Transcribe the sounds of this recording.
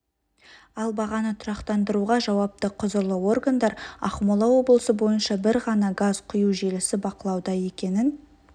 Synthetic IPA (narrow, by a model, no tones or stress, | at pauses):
ɑlˠbɑʁɑnət̪ʰʊɾɑqt̪ɑnd̪əɾuʁɑʒɑwɑp̚t̪əqʰʊzəɾlˠəwo̞rɡand̪ɑɾɑ̰χmolˠɑwo̞blˠəsəbo̞jənʃɑbɪɾʁɑnɑɡazqʰʊjuʒelɪsɪbɑqəlˠɑwd̪ɑje̞kʲe̞nɪn